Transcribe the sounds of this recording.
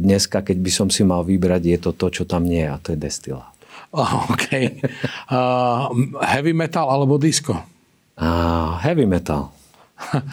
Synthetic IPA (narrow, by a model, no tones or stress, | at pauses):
d̪ɲɛskakɛɟbisɔmsimalʋibɾaɟjɛt̪ɔt̪ɔt͡ʃɔt̪amɲɪɛjɛat̪ɔjɛd̪ɛst̪ila̰ːt̪ːɔkʰɛj | hɛʋimɛt̪alalɛbɔd̪iskɔ | aɦɛʋimɛt̪a̰l